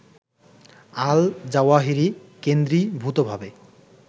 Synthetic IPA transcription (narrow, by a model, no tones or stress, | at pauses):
ald͡ʑawaɦiɾikend̪ɾibʱut̪obʱabe